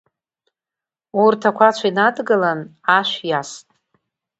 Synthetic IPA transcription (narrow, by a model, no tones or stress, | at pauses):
urtʰakʷʰat͡ʃʷʰainadɡalanaʃʷᶣjastʼ